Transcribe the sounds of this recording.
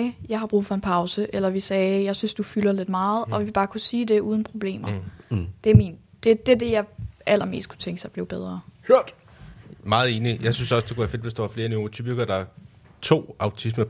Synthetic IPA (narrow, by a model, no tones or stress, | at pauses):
jɑ̈ɪɦɑ̈b̥ʁṵːðˠfɒ̽e̝npʰɑ̈ʊsəʔelɐʋisɛːjɑ̈ɪsynsd̥ufylɐle̝d̥mɑ̈ːð̞̩ˠɒ̽ʋib̥ɑ̈ːkʰusiːde̝ʔuːð̞ˠn̩pʰʁo̝b̥le̝̰ːmɐd̥e̝æɐmḭːnd̥ed̥e̝d̥e̝jɑ̈ɪʔæl̰ɐme̝̰ːsd̥̚kʰu̥t͡sʰeŋɡ̥sɑ̈ɪb̥leʊbeð̞ˠʁɐːhøɐ̰d̥ | mɑ̈ːð̞̩ˠe̝ːnijɑ̈ɪsynsɒ̽sd̥ekʰuʋæɐfe̝d̥ʋe̝sd̥ɑ̈ʋɑ̈fle̝ɐniʁt͡sʰypiɡ̥ɐd̥ɑ̈ | t͡sʰo̝̰ːɑ̈ʊt͡sʰismɐ